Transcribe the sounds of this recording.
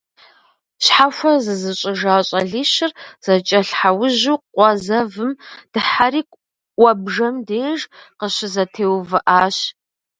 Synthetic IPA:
ɕħaxʷɐzɨzɨɕʼɪʒaːɕʼɐɮiːɕɪrz̥ɐt͡ʃʼɐɬħawʊʑuːqʷɔzɐvɨmd̥ɨħaɾiːkʷʼ | wʷɔbʒɐmdeːʒqəɕɪzɐtʰeːwvɨʔaːɕ

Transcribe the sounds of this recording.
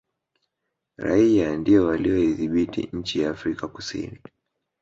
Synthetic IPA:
ɾa̰iandiɔwaliɔiðiɓitḭɲ̩t͡ʃijaːfɾikaku̥sḭni

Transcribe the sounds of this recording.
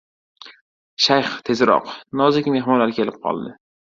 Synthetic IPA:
ʃajχt̪ʰe̞zɾɒ̰qnɒzɪkʲɪme̞ɦmɒnlaɾkʲʰe̞lɪp̚qʰɒ̰lˠd̪ɪ

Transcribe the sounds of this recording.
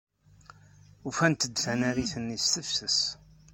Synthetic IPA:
ufænt̪əd̪θænæɾiθənːist̪əfθəs

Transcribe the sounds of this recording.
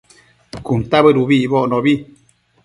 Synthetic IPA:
kunt̪aβəɾuβiβoʔnɔ̃βi

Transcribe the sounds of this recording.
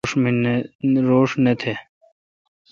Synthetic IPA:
ʂminɾoːʂnet̪ʰe

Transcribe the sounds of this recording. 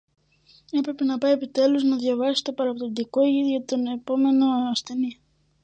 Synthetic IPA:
e̞pɾe̞pe̞nɐpɐje̞pit̪e̞luznɐðʝɐvɐsi̥t̪o̞pɐɾɐpot̪od̪iko̞ʝiðjot̪t̪one̞po̞me̞no̞ɐst̪e̞ni

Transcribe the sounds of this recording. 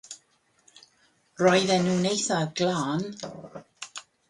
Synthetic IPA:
rɔjðɛnuːnejθaɡlaːn

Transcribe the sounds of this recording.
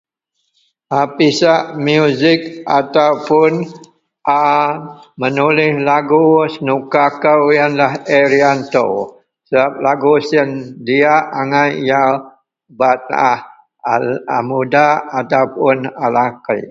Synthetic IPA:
ʔapisaʔmjuzɪk̚at̪awpʊn | ʔa | mənulɪhlaɡusənukakəwjanlaheɾiant̪o̰ | səbap̚laɡusəndiaʔaŋajja | bat̪̚ah | amudaat̪awpʊnalakə̰j

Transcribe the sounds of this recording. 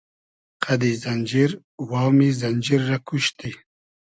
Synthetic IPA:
qʰad̪izand͡ʒiɾ | wɑːmizanʲd͡ʒiɾːakʰuʃt̪i

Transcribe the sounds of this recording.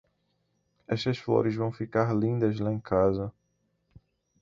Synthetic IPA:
ɛʃt̪ɐsflo̰ɾɪzvɐ̃w̃fikaɾlĩnd̪ɐzlaẽkʰazɐ

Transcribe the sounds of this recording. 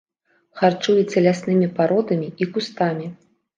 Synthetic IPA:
xart͡ʂujɛt͡sʲɐlʲasnɨmʲipaɾɔd̪ɐmʲiikust̪amʲi

